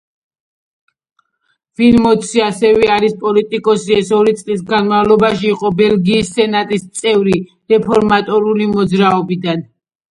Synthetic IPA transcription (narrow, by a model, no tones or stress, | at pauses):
v̥ilmɔt̪sʰiasɛvɛaɾispʼɔlit̪ʼikʼɔsiɛsɔɾit̪sʼlis̬ɡanmavlˠɔbaʃiːqʼɔbɛlɡiːssɛnat̪ʼist̪sʼɛvɾi | ɾɛpʰɔɾmat̪ʼɔɾulimɔd̪zɾaɔbid̪an